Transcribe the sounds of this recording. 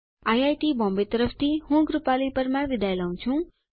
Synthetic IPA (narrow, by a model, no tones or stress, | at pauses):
ajajʈibɔ̃mbet̪ʌɾʌpʰt̪ʰihũɡɾupalipʌɾmabid̪ajlaw̃t͡sʰũ